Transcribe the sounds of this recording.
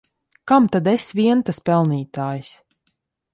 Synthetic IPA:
kamt̪ad̪ɛsʲvʲiɛnt̪aspɛlˠniːt̪aːjs

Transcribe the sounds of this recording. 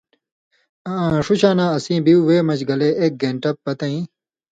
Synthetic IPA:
ʂuɕãːnãːɐsĩːbiuweːmɐt͡ɕɡɐleːeːk̚ɡẽːɳʈɐpːɐt̪ɐ̃ĩː

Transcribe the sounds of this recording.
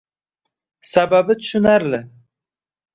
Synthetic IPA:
sababɪt̪ʰʊʃʊnaɾlɪ

